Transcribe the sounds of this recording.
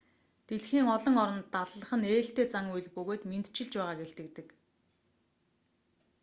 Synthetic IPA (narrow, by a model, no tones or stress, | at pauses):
t̪eɮxiːŋɔɮɞ̆ŋɔɾɞ̆nt̪ːaɮɮə̆χə̆neːɬt̪eːt͡saŋuj̆ɮpɵɣoːt̪ment̪t͡ɕɪ̆ɮt͡ɕpæːʁaːɡeɬt̪ɘ̆kt̪ɘ̆k